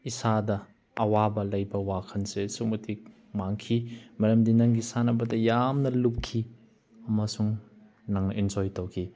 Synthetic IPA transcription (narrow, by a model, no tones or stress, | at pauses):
isadɐː | wabɐlɐjbɐwakʰɐnsesumɐtʰik̚ | maŋkʰimɐɾɐmdinɐŋɡisanɐbɐtɐjamnɐlup̚kʰi | ɐmɐsuŋ | naŋnɐʔɛnd͡ʒɔjtowkʰi